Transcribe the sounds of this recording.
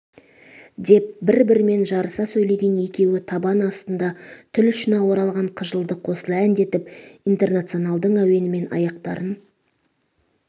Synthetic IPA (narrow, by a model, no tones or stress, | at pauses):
d̪e̞p̚bɪɾbɪɾɪme̞nʒɑɾəsɑsɵjle̞jɡʲe̞nje̞kʲe̞wɪt̪ʰɑbɑnɑst̪ənd̪ɑt̪ʰʏlʏʃɪnɑwo̞ɾɑlˠʁɑɴqʰəʒəlˠd̪əqʰo̞səlˠænd̪e̞t̪ɪpijnt̪e̞rnat̪sio̞nɑlˠd̪əɴæwe̞nɪme̞nɑ̰jɑqt̪ɑɾən